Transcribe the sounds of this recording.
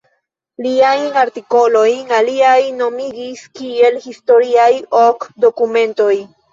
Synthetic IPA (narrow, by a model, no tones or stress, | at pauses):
liajaɾtiko̞lo̞jaliajno̞miɡiskie̞lhisto̞ɾiajokdo̞kumẽ̞nto̞j